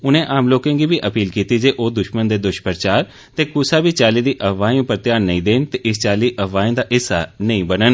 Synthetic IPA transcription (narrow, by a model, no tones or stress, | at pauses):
ʊnẽːʔaːmloːkẽːɡiːbiːʔəpiːlkiːt̪iːd͡ʒeːʔoːd̪ʊʃmənd̪eːd̪ʊʃpəɾt͡ʃaːɾ | t̪eːkʊsaːbiːt͡ʃaːliːd̪iːʔəʋaːĩũːpəɾt̪ɪjaːnnəĩːd̪eːnt̪eːʔɪst͡ʃaːliːʔəʋaːĩːd̪aːɦɪsːa̰ːnəĩːbənən